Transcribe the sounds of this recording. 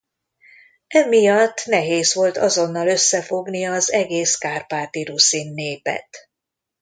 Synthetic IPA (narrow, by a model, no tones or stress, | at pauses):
ɛmijɒt̪ːnɛɦeːzʋo̞lt̪ɒ̰zo̞nːɒløsːɛfo̞ɡniɒzɛɡeːskaːrpaːt̪iɾusinːeːpɛ̰t̪